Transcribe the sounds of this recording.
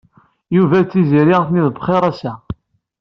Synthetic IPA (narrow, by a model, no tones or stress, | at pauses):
juvæt͡sːiziɾiʁθniðbχeɾˤæsæ